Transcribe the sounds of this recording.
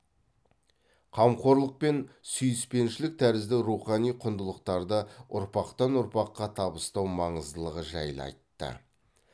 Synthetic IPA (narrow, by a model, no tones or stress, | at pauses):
qʰɑmqo̞ɾlˠəq̚pe̞nsʏjɪspe̞nʃɪlɪk̚t̪ʰæɾɪzd̪ɪɾuχɑnijqʰʊnd̪əlˠəqt̪ɑɾd̪əʊ̰ɾpɑqt̪ɑnʊɾpɑqːɑt̪ʰɑbəst̪ɑwmɑɴəzd̪əlˠəʁəʒɑ̰jlˠɑ̰jt̪ːə̰